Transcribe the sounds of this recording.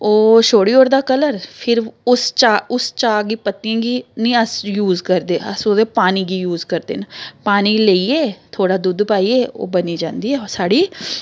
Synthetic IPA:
oːʃoːɽiːoːɾd̪aːkələɾpʰɪɾʊst͡ʃaːʊst͡ʃaːɡiːpət̪ːiãːɡiːnĩːəsjuːzkəɾd̪eːəsoːd̪eːpaːniːɡiːjuːzkəɾd̪ḛːnəpaːniːləiːɛːt̪ʰoːɽaːd̪ʊd̪paːiːɛːo̰ːbəniːd͡ʒãːnd̪iːɛːsaːɽiː

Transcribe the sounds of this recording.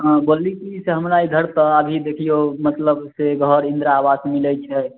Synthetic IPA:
ɦãboːlikiseɦəmɾaid̪ʱəɾt̪əəbʱid̪eːkʰijomət̪ləbseɡʱɔɾɪ̃nd̪ɾaaːʋasmilɛt͡ʃʰɛ

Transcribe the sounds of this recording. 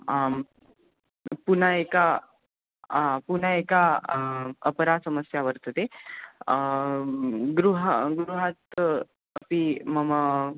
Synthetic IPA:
punaeka | pun̤aeka | əpɾasəməsjaʋəɾt̪ət̪e | ɡɾuɦɡɾuɦat̪ | əpiməmə

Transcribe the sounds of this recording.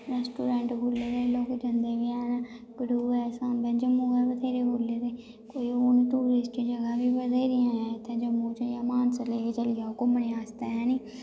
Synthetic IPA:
ɾɛːsʈuːɾɛ̃ːɳʈbʱoːleːɾeːloːkd͡ʒənd̪eːʋiɛːnbɪɖuːɛːsaːnbɛ̃ːd͡ʒəmũːɡɛːʋət̪ʰeːɾeːboːleːɾeː | koːioniːt̪uːɾɪsʈĩːd͡ʒəɡãːbiːʋəd̪eːɾɪjãːɛ̃t̪ẽːd͡ʒəmũːt͡ʃəjãːmaːnsəleːet͡ʃəlɪjaokoməneːaːst̪eːɦɛːniː

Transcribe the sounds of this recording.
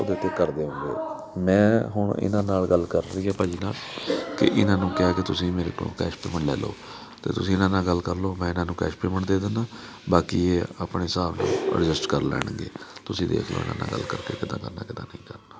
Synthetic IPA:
o̰ːd̪eːt̪ːeːkəɾd̪eːɦõːŋɡḛː | mɛ̃ːɦʊɳɪ̰nãːnaːlɡəlkəɾɾiːɦɛːpəd͡ʒiːnaːlkɪ̰ʔɪnãːnũːkɛaːkɪt̪ʊsĩːmeːɾḛːkõ̰kɛːʃpeːməɳlɛːlo̰ː | t̪ḛːt̪ʊsĩːɪnãːnaːlɡəlkəɾloːmɛ̃ːɪnãːnũːkɛ̰ːʃpeːməɳd̪eːd̪ənaː | baːkiːeːaːpɳeːsaːbnṵ̃ːɾɪd͡ʒɪsʈkəɾlɛ̰ːɽ̃ɡḛːt̪ʊsĩːd̪ḛːkʰlo̰ːɪ̰nã̰ːna̰ːɡə̰lːkəɾkḛːkɪd̪ã̰ːɡ̪ə̃ːna̰ːkɪd̪ã̰ːnəĩːkəɾnaː

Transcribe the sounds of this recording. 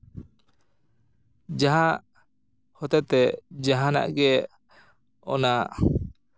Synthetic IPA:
d͡ʒaɦãʔ | hɔt̪ɛt̪ɛd͡ʒaɦãna̰ʔɡɛ | ɔna

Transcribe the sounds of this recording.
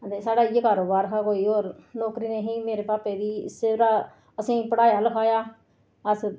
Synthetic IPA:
ənd̪eːsaːɽaːijəkaːɾoːbaːɾkʰaːkoːiːoːɾnɔːkɾiːneːɦĩːmeːɾeːpaːpeːd̪iːseɾaː | əsĩːpəɽaːjaːləkʰaːjaː | əs

